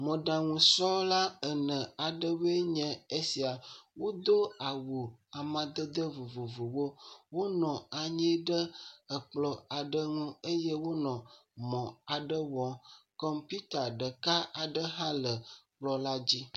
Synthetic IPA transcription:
mə̃˨ɖã˨ŋũ˨sɔ˦la˦ə˨nə̃˨a˨ɖə˦we˦ɲɛ̃˨e˦si˨a˨wo˦d̪o˦a˨wu˨a˨mã˨d̪ə˦d̪ə˦vu˨vo˨vo˨wo˦wo˦nɔ̃˨a˨ɲɛ̃˦ɖə˦ə˨k͡plɔ˨a˨ɖə˦ŋũ˦e˦je˦wo˦nɔ̃˨mɔ̃˨a˨ɖə˦wɔ̃˨kɔ˦mpi˦t̪a˨ɖə˨ka˦a˨ɖə˦ɦã˦lə˨k͡plɔ˦la˦d͡ʑi˦

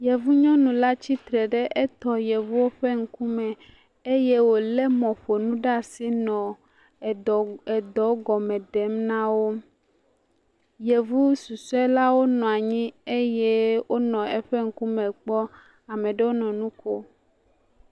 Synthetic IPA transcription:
je˨vu˦ɲɔ̃˦nũ˨la˦t͡ɕi˦t̪ɾɛ˨ɖe˦ʔe˦t̪ɔ˦je˨vu˦wo˦ɸe˦ŋ̩˦ku˦mɛ˨ | e˦je˦wo˨le˦mɔ̃˨ɸo˨nũ˦ɖa˦˨si˦nɔ̃˨ | e˨d̪ɔ˨˦ɡɔ˨mɛ̃˨ɖe˨˦mnã˦wo˦ | je˨vu˦su˨su˦ɛ˦la˦wo˦nɔ̃˨a˨ɲĩ˦e˦je˦wo˦nɔ̃˨e˦ɸe˦ŋ̩˦ku˦mɛ̃˨k͡pɔ˦ | a˨mẽ˨ɖe˦wo˦nɔ̃˨nũ˦ko˦

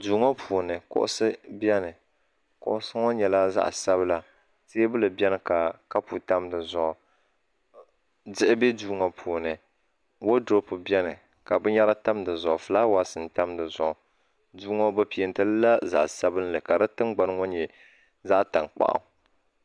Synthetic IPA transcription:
duː˨˦ŋɔ˦pʰuː˨nɨ˨kʊ̰˦ʔʊ̰˦sɨ˦bjɛ˦nɨ˨ | kʊ̰˨ʔʊ˦sɨ˦ŋɔ˦ɲɛ˨la˦za̰˦ʔsa˦βɨ˦la˨ | seː˦bɨ˦lɨ˨bɛ˦nɨ˨ka˨ka˦pu˨ta˦mdɨ˨zʊ˨ʔ | dɪ˦ʔɪ˦bɛ˦duː˦ŋa˨pʰuː˨nɨ˨ | wo˦dɾo˦pɨ˨bɛ˦nɨ˨ | ka˨bɨ˦ɲa˦la˦ta˦mdɨ˨zʊ˨ʔʊ˨fɨ˨laː˦waː˨sɨ˨n˨ta˦mdɨ˨zʊ˨ʔʊ˨ | duː˦ŋo˦bɨ˦pi˨ɛ˨n˨tɨ˦lla˦za̰˨ʔsa˦bɨ˦n˦lɨ˨ka˨dɨ˦tɨ˦ŋɡ͡ba˨n˦ŋo˦ɲɛ˨ | za˦ʔta˨ŋk͡pa̰˨ʔa̰˨˦

